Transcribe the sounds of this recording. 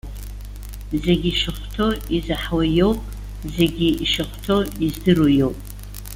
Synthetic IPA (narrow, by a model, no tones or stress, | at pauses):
zeɡʲiʃaχʷtʰoizaħwajowpʼ | zeɡʲiiʃɨχʷtʰo̞izdɨrojo̞wpʼ